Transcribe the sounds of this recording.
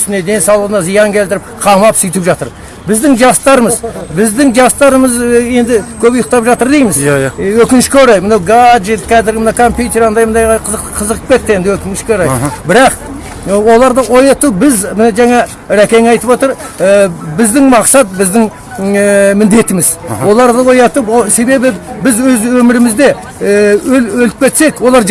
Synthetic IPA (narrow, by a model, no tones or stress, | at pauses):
ʏst̪ɪne̞d̪e̞nsɑwlˠəʁənɑzijɑŋkʲʰe̞lt̪ɪɾɪp̚qʰɑmɑpsʏjt̪ɪpʒɑt̪ə̰ɾ | bɪzd̪ɪŋʒɑst̪ɑɾəməzbɪzd̪ɪŋʒɑst̪ɑɾəməze̞nd̪ɪkʲʰɵbʊjəq̚t̪ɑpʒɑt̪əɾd̪ejmɪzwɵkʲɪnɪʃkʲeoɾɑjmənɑwɡaʒet̪kʲʰæzɪɾɡɪmənɑwkʰo̞mpjut̪e̞ɾɑnd̪ɑjmənd̪ɑjɑqʰzəqʰːəzəqəp̚kʲe̞t̪ːɪjed̪ɪwɵkʲɪnɪʃkʲeoɾɑjbɪɾɑq | wo̞lˠɑɾd̪əʔo̞jɑt̪ubɪzmnʒæŋɑ | ɾækʲe̞ŋɑjt̪əpwot̪əɾ | bɪzd̪ɪŋmɑqsɑt̪̚bɪzd̪ɪŋ | mɪnd̪e̞t̪ɪmɪzwo̞lˠɑɾd̪əwo̞jɑt̪əpwose̞be̞bɪbɪzwɵzwɵmɪɾɪmɪzd̪e̞ | ɵlɵlɪpkʲʰe̞t̪se̞kwo̞lˠɑɾ